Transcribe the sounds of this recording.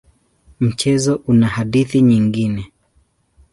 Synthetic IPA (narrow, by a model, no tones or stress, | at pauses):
m̩t͡ʃɛzɔʔunahaɗiθiɲiŋɡinɛ